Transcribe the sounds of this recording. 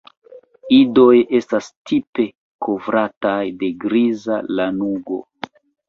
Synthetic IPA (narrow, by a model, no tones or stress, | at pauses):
ido̞je̞stastipe̞ | ko̞vɾatajde̞ɡɾiza̰lanuɡo̞̰